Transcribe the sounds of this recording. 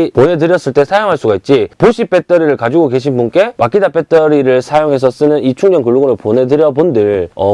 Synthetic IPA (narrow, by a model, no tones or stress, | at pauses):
pone̞dɯɾjʌs͈ɯɭt͈e̞sʰajoŋɦaɭs͈uɡait̚t͡ɕ͈ipoɕʰip͈ʰe̞t͈ʰʌɾiɾɯɭkad͡ʑiɡoke̞ɕʰinbunk͈e̞mak͈ʰidap͈ʰe̞t͈ʰʌɾiɾɯɭsʰajoŋɦe̞s̬ʰʌs͈ɯnɯnit͡ɕʰuŋɲʌŋkɯɭːoɡɯɾopone̞dɯɾjʌbondɯɭʌ